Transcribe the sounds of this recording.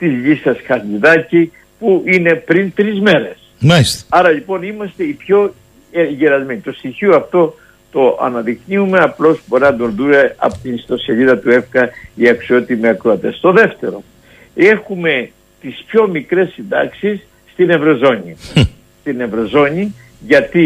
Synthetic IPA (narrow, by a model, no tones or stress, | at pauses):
t̪izʎisɐsxɐθʎiðɐci | puʔine̞pɾint̪ɾizme̞ɾe̞s | maist̪ɐɾɐʎipo̞nimɐst̪e̞ipço̞ | eʝeɾɐzmeɲit̪o̞st̪içioɐft̪o̞ | t̪o̞ɐ̰nɐðikniume̞ɐplo̞sboɾinɐd̪onðuneɐ̰pot̪inst̪o̞seʎiðɐt̪ue̞fkɐiɐksio̞t̪imiɐkɾoɐt̪e̞st̪o̞ðe̞ft̪e̞ɾo̞̰ | e̞xume̞ | t̪ispço̞mikɾe̞sːind̪ɐ̰ksisː | t̪ine̞vɾo̞zo̞ɲi | st̪ine̞vɾo̞zo̞ɲi | ʝɐt̪i